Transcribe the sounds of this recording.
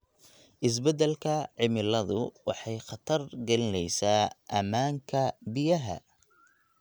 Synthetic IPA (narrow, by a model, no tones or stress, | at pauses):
ʔɪs̬bɛd̪ɛlkʰɐʕɪmɪlɐðʊwɑ̰ħɑjχɑt̪ʰɐrɡɐlɪnɛjsaːʔɐmaːŋkʰɐbɪjɐɦɐ̰